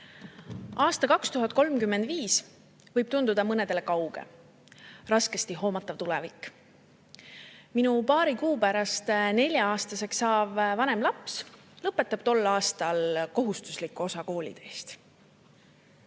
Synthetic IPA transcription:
ʔɑːst̪ɑkɑkst̪uɦɑt̪̚ːˑko̞lmkymːend̪viːs | vɤjb̥t̪und̪ud̪̥ɑmɤne̞d̪̥e̞lekɑwɡ̥ḛ | rɑske̞st̪iɦo̞ːmɑt̪ˑːɑvt̪ulɛvikːˑ | minupɑːɾikuːpæɾɑst̪ne̞lʲjɑɑːst̪ɑse̞ksɑːb̥vɑne̞mlɑps | lɤpːe̞t̪ːˑɑb̥t̪o̞lːɑːst̪ɑlko̞ɦust̪u̥slikːuo̞sɑko̞ːlʲḭd̪̥eːst̪

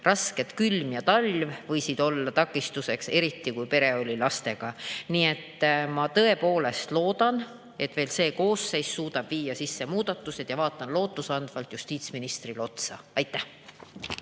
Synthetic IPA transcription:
rʔɑsked̪̥kylmjɑt̪ɑlʲvvɤ̞jsid̪̥o̞lːɑt̪ɑkːˑist̪use̞kse̞ɾit̪ːˑikujpe̞ɾe̞o̞lʲilɑst̪e̞ɡ̥ɑniːe̞t̪ːˑmɑt̪ɤ̞e̞po̞ːle̞st̪lo̞ːd̪̥ɑn | e̞t̪ːˑve̞ːlse̞ːko̞ːsːe̞jsːuːd̪̥ɑb̥viːjɑsisːe̞muːd̪̥ɑt̪ːˑuse̞d̪̥jɑvɑːt̪ːˑɑnlo̞ːt̪ːˑusɑnd̪̥vɑlt̪just̪iːt̪sminist̪rilo̞t̪sɑ̰ɑjt̪ːˑæh

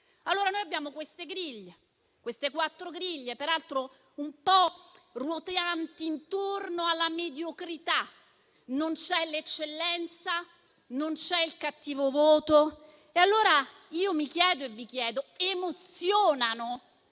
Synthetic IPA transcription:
alːoːɾanoːjabːjaːmokwest̪eɡɾiʎːe | kwest̪ekwat̪ːɾoɡɾiʎːepeɾalt̪ɾo | umpɔrwot̪eant̪iːnt̪ornoalːamed̪jokɾit̪a | nont͡ʃɛlet͡ʃːelːɛnt̪sa | nont͡ʃɛilkat̪ːiːvovoːt̪o | ealːoːɾa | iːomikjɛːd̪oevːikjɛːd̪oemot̪sjoːnano

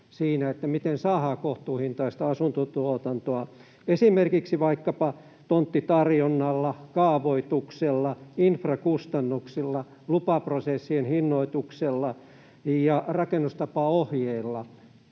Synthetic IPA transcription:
siːnæet̪ːæmit̪ensɑːhɑːkoht̪uːhint̪ɑist̪ɑɑsunt̪ot̪uot̪ɑnt̪oɑ | esimerkiksiʋɑikːɑpɑ | t̪ont̪ːit̪ɑrjonːɑlːɑkɑːʋoit̪ukselːɑinfrɑkust̪ɑnːuksilːɑ | lupɑprosesːienhinːoit̪ukselːɑ | jɑrɑkenːust̪ɑpɑohjeilːɑ

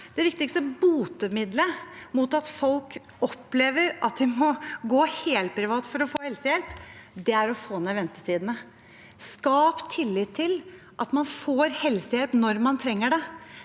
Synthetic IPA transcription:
d̪̥ɛʋɪk̚t̪ɪkst̪əbuːt̪əmɪd̪ləmʊt̪ɑt̪fɔlk | ɔpleːʋəɾʔɑt̪̚d̪ɪmɔɡoːheːlt̪̚pʰɾɪʋɑːt̪fɔɾɔfoːhɛlsəjɛlpd̪ɛæɾɔfoːnæʋɛnt̪ə̥t̪ʰiːd̪ənə | skɑːpt̪ʰɪlːɪːt̪ʰːɪl | ʔɑt̪mɑnfoːɾhɛlsəjɛlpnɔɾmɑnt̪ʰɾɛŋːəɖɛ

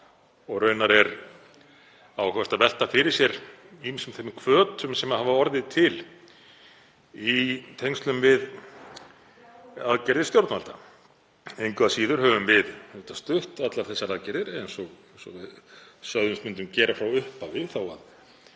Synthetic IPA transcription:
ɔɣrœːɥnaɾɛɾ | awkɛst̪aðvɛl̥t̪afɪɾɪɾsjɛɾ | iminsʏmθemkʰvœːt̪ʏmsɛmaðhavaɔɾðɪt̪ʰɪl | it̪ʰejŋst̪lʏmvɪð | aðcɛɾðɪ̥st̪jowɾt̪nalt̪a | ejŋkv̥asiːðʏɾ̥hœːvʏmvɪðhɛlt̪ast̪ʏht̪at̪laɾθɛsːaɾaðcɛɾðɪɾejnsɔɣ | sɔ̰vɪðsœðʏmsmʏnt̪̬ʏmcɛːɾafɾawʏhpavɪðθawa̰ð

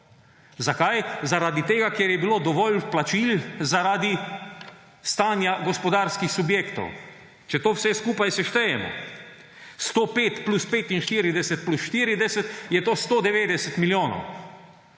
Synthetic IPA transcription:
zakajzaɾaːd̪it̪eːɡakeːɾjɛbiloːd̪ɔʋɔlplat͡ʃilzaɾaːd̪i | st̪aːnjaɡɔspɔd̪aɾskixsubjeːkt̪ɔ̰w | t͡ʃɛt̪oːwsɛskuːpajsɛʃt̪ɛjɛmɔ̰ | st̪oːpeːt̪pluspeːt̪inʃt̪iːɾid̪ɛsɛt̪̚plusʃt̪iːɾid̪ɛsɛt̪jɛt̪oːst̪oːd̪ɛʋeːd̪ɛsɛt̪miljoːnɔ̰w

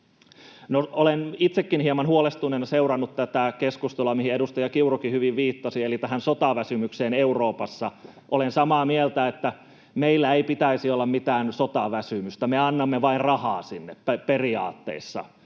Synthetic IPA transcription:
noolenit̪sekːinhiemɑnhuolest̪unenseurɑnːut̪t̪æt̪ækeskust̪olɑmihiedust̪ɑjɑkiurokihyʋiʋʋiːt̪ːɑsielit̪æhænsot̪ɑʋæsymykseːneuroːpɑsːɑʔolensɑmɑːmielt̪æet̪ːæ | meilːæeipit̪æisiolːɑmmit̪æːnsot̪ɑʋæsymyst̪æmeɑnːɑmːeʋɑinrɑhɑːsinːeppæperiɑ̰ːt̪ːḛisːɑ̰

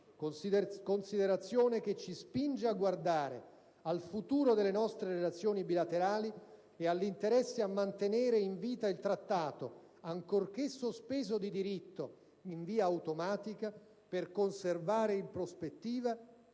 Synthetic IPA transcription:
konsid̪eɾat̪sːjoːnek̟et͡ʃːispind͡ʒeaɡward̪aːɾḛ | alfut̪uːɾod̪elːenɔst̪ɾeɾelat̪sːjoːnibilat̪eɾaːli | ealːint̪eɾɛsːeamːant̪eneːɾeiɱviːt̪ailt̪ɾat̪ːaːt̪o | aŋkork̟esːospeːzod̪id̪iɾit̪ːo | iɱviːaːwt̪omaːt̪ika | perkonservaːɾeimpɾospet̪ːiːva

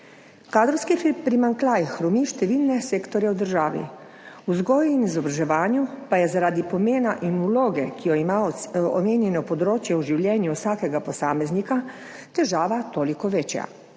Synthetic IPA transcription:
kaːd̪ɾɔwskipɾimaŋklajxɾɔmiʃt̪ɛʋilnɛseːkt̪ɔɾjɛwd̪əɾʒaːʋḭ | uzɡɔːjuinizɔbɾaʒɛʋaːnjupajɛzaɾaːd̪ipɔmeːnaʔinuloːɡɛkijɔimaɔ̰meːnjɛnɔpɔd̪ɾoːt͡ʃjɛuʒiwljɛːnjuwsaːkɛɡapɔsaːmɛznika | t̪ɛʒaːʋat̪oːlikɔʋeːt͡ʃja̰

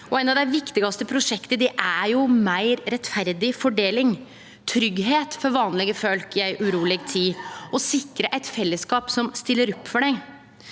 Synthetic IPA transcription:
ʔɔɛɪnɑʋd̪æɪʋɪkt̪ɪɡɑst̪əpʰɾʊʂɛkt̪əd̪ɛʔæɾjʊmæɪɾɾɛt̪fæɾd̪ɪfɔɖeːlɪŋ | t̪ʰɾʏɡɦeːt̪fɔɾʋɑːnlɪɡəfœlkjæɪʔʉɾuːlɛɡt̪ʰiːɔsɪkɾəʔæɪt̪fɛlːəskɑːpsɔmst̪ɪlːəɾɔpːfɔɖɛɪ

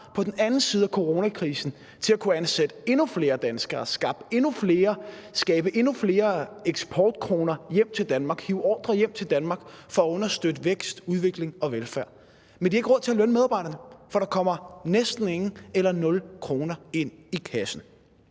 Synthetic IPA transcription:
pʰɒ̽d̥enænn̩siːð̞ˠækʰo̝ʁo̝ːnækʰʁiːsn̩ | t͡sʰe̝ækʰuænsed̥əe̝nufle̝ːɐd̥ænsɡ̥ɐːsɡ̥ɑ̈b̥e̝nufle̝ːɐsɡ̥ɛːb̥əʔe̝nufle̝ːɐeɡ̥sb̥ʰɒːd̥kʰʁo̝ːnɐjem̰t͡sʰe̝ld̥ænmɑ̈ːɡ̥hiːʊɒ̰ːd̥ʁɐjem̰t͡sʰe̝ld̥ænmɑ̈ːɡ̥fɒ̽æɔ̽nɐsd̥ød̥əʋeɡ̥sd̥uð̞ˠʋe̝ɡ̥le̝ŋɒ̽ʋelfæɐ̰ | mend̥iɐe̝ɡ̥ʁɔð̰ˠt͡sʰeælønəmeðˠɑ̈bɑ̈ɪ̰ɾɐnəfɒ̽ɾ̥ɑ̈kʰɒ̽m̰ɐnesd̥n̩e̝ŋn̩elɐnɔ̽lkʰʁo̝ːnɐe̝n̰ikʰæsn̩

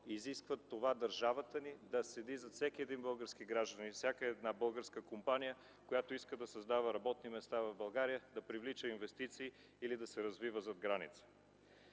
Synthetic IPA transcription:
iziskvət̪ːovad̪ɐɾʒavət̪ənid̪ɐsɛd̪izɐt̪sɛkʲiɛd̪inbɤlˠɡəɾskiɡɾaʒd̪ənifsʲakəɛːd̪nabɤlˠɡəɾskəkompanijə | kojat̪oiskəd̪ɐsɐzd̪avəɾɐbɔt̪nimɛst̪avɐvbɐlˠɡaɾijəd̪ɐpɾivlit͡ʃəinvɛst̪it̪siː | ilid̪ɐsɛɾɐzvivəzɐd̪ɡɾanḭt̪sə̥

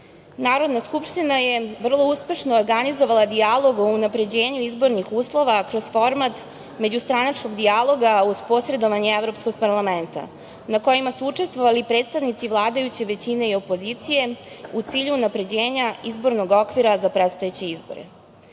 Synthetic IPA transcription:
naːɾo̞d̪naskupʂt̪inaje̞ʋr̩lˠo̞uspe̞ʃno̞ːɾɡanizoʋalˠad̪ialˠo̞ɡo̞unapɾe̞d͡ʑe̞ːɲuizbo̞ɾnixuːslˠo̞ʋakɾo̞zfo̞ɾmat̪ | me̞d͡ʑust̪ɾanat͡ʂko̞ɡd̪ialˠo̞ɡauzpo̞sɾe̞d̪o̞ʋaɲeeʋɾo̞psko̞ɡ̚paɾlˠame̞nt̪a̰ | nako̞jimasuut͡ʂe̞st̪ʋoʋalipɾet̪st̪aʋnit̪siʋlˠaːd̪ajut͡ɕe̞ʋe̞t͡ɕine̞io̞poziːt̪sije̞ut̪siːʎuːnapɾe̞d͡ʑeːɲaizbo̞ɾno̞ɡo̞kʋiɾazapɾet̪st̪ojet͡ɕe̞izbo̰ɾḛ

